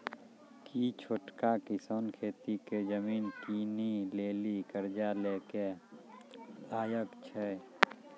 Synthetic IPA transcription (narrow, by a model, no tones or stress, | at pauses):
kit͡ʃʰoːʈkakɪsonkʰeːt̪iked͡ʒəmiːnkiːnileːlikəɾd͡ʒaleːke | d̪aːjəkt͡ʃʰɛ